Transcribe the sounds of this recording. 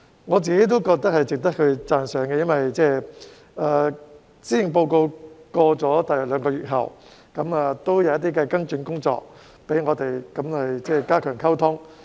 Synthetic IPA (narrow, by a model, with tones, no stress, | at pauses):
ŋɔː˨˧t͡siː˨ke˨˥jt̪̬o˥wkɔː˧k̚t̪ɐ˥k̚hɐ˨jt͡sɪ˨k̚t̪ɐ˥k̚kʰɵ˨˧ɥt͡saː˧nsœː˨˥ŋkɛ˧jɐ˥nwɐ˨jt͡sɛː˥˩ | aː˨˩ | siː˥jɪ˨˩ŋpo˧wko˧wkɔː˧t͡sɔː˨˥t̪ɐ˨jɐ˨˩lœː˨˧ŋkɔː˧jyː˨t̚ɦɐ̰˨˩w | kɐ˨˥maː˨˧t̪o˥wjɐ˨˧wjɐt̪iː˥kɛ˧kɐ˥nt͡ʃy˧nkʊ˥ŋt͡sɔ̰ː˧k̚ | pe˨˥jŋɔː˨˧t̪e˨jkɐ˨˦mhɐ˨jt͡sɛː˥˧kaː˥kʰœː˨˩ŋkʰɐ˥wt̪ʰʊ˥ŋ